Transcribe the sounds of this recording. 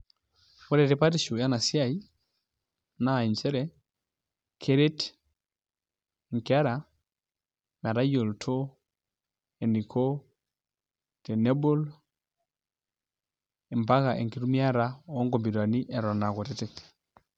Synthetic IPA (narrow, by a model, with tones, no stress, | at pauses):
kɔ˦ɾɛ˨tɛ˨pa˦tiʃu˨ja˦na˨si˦a˦i˦ | na˦˨i˨nt͡ʃɛ˦ɾɛ˨ | kʰe˦ɾe˦t | ŋ̩˨kea˦ɾa˨ | m˨a˨ɾa˦jɔ˨ltʰo˦ | ɛ˨ni˨kʰɔ˦ | tɛ˨nɛ˦bɔ˦l | ɛ˨mba˦ka˨ʔɛ̰˨ŋki˨ɾu˦mi˦a˦ɾa˦ɔː˦ŋɡɔ˨mbi˨ɾwa˨ni˦ʔɛ˨ɾɔ˨na˨kɔ˨ɾɛtɛt